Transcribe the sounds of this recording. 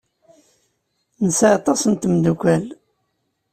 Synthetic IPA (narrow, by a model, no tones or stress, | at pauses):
nəsʕat̪ˤɑsənt̪əmd̪ukʷæl